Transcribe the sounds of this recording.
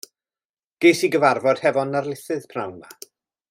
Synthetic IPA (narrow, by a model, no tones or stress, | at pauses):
ɡ̥ejsiɡəvarvɔd̥hɛvɔnːarlˠɪθɨðpʰrawnma